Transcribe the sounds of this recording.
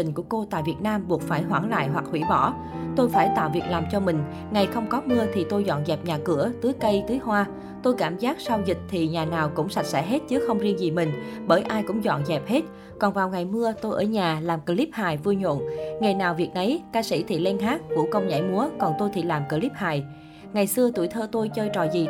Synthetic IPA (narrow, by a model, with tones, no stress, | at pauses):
ï˨˩ŋ̟ku˧˩əko˧t̪a̰ː˧˨jvi˨˩ət̚naː˧mɓu˨˩ək̚faː˧˩jɦwaː˧˩ŋla̰ː˧˨jɦwa˨˩k̚hwḭ˧˥ɓɔ˧˩ | t̪o˧jfaː˧˩jt̪a̰ː˧˨wvi˨˩ək̚laː˨˩mt͡ɕɔ˧mï˨˩ŋ̟ | ŋa˨˩jxə˧wŋ͡mkɔ˨˦mɨ˧ət̪ʰi˨˩t̪o˧jzɔ̰˧˨nzɛ˨˩p̚ɲaː˨˩kɨ˧˩ət̪ɨ˨˦əjkə˧jt̪ɨ˨˦jɦwaː˧ | t̪o˧jkaː˧˩mzaː˦˥k̚sa˧wzï˨˩k̟̚t̪ʰi˨˩ɲaː˨˩naː˨˩wkʊ̰˧˥ŋ͡msa˨˩t̚sɛ̰˧˥ɦe˦˥t̚t͡ɕɨ˨˦xə˧wŋ͡mzi˧əŋzi˨˩mï˨˩ŋ̟ɓəː˧˩jʔaː˧jkʊ̰˧˥ŋ͡mzɔ̰˧˨nzɛ˨˩p̚he˦˥t̚ | kɔ˨˩nvaː˨˩wŋa˨˩jmɨ˧ət̪o˧jʔəː˧˩ɲaː˨˩laː˨˩mkə˧li˦˥p̚haː˨˩jvu˧əɲo̰˧˨nŋe˨˩jnaː˨˩wvi˨˩ək̚ʔə˨˦jkaː˧sḭ˧˥t̪ʰḭ˧˨lɛ˧ŋɦaː˦˥k̚vṵ˧˩əkə˧wŋ͡mɲa̰ː˧˩jmu˨˦əkɔ˨˩nt̪o˧jt̪ʰḭ˧˩laː˨˩mkə˧li˦˥p̚haː˨˩j | ŋa˨˩jsɨ˧ət̪u˧˩əjt̪ʰəː˧t̪o˧jt͡ɕəː˧jt͡ɕɔ̰˨˩zi˨˩